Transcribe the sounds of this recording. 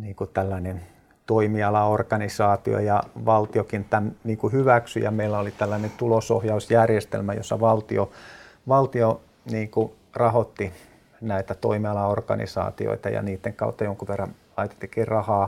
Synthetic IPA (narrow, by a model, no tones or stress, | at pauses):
niːŋkut̪ælːænen | t̪oimiɑlɑorkɑnisɑːt̪io̰jɑʋɑlt̪iokint̪ænniːŋkuhyʋæksyjɑ̰meilːæolit̪ælːænent̪uloso̰hjɑusjærjest̪ḛlmæjo̰sːɑʋɑlt̪io | ʋɑlt̪io | niːŋku | rɑhot̪ːi | næit̪æt̪o̰imiɑlɑorkɑ̰nḭsɑ̰ːt̪io̰it̪ɑjɑ̰niːt̪ːeŋkɑut̪ːɑjoŋkuʋerːɑn | lɑit̪e̥t̪ːikiːrrɑhɑː